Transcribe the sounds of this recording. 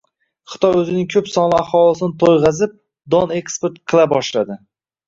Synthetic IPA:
χɨ̥t̪ʰɒjɵzɪnɪŋkʲʰɵpsɒnlˠɪaχɒlˠɪsɪnɪt̪ʰojʁɑzɪp̚ | d̪ɒne̞kspeɾt̪̚qʰɨlˠabɒʃlad̪ɪ

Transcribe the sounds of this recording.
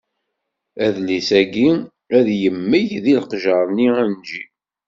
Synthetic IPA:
æðlisæɡi | æðjəmːəjðilqʒəɾˤniænd͡ʒi

